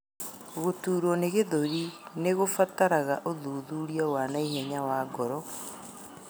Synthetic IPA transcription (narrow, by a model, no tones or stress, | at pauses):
ɣotuːɾɔneɣeðoɾineɣofataɾaɣaʔoðuːðuːɾiawanaiɦɛɲawaːɡɔɾɔ